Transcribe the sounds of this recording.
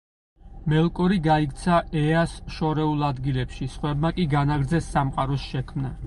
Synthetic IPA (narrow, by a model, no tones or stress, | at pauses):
mɛlˠkʼɔɾiɡaikʼt̪sʰaɛasʃɔɾɛulˠad̪ɡilɛpʃisχwɛbmakʼiɡanaɡɾd̪zɛsːamqʼaɾɔsʃɛkʰmna